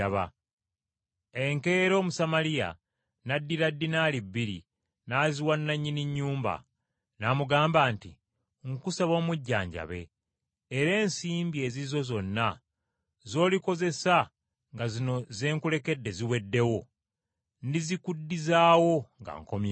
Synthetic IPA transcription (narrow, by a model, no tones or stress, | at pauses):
βa̰ | e̞ŋke̞ɾo̞ːmusamalija̰ | nadːiɾadːinaːlibːiɾḭ | naːziwanːaɲːiniɲːuːmba̰ | naːmuɡaːmbaːntḭ | ŋkusaβo̞ːmuɟːa̰ːɲɟa̰βe̞̰ː | ɾe̞ːnsiːmbie̞ːzizo̞zo̞nːa | zo̞ːliko̞ze̞sa | ŋɡazino̞zeːŋkule̞ke̞dːe̞ziwe̞dːe̞wo̞ | ndizikudːizaːwo̞ŋɡa̰ŋko̞mj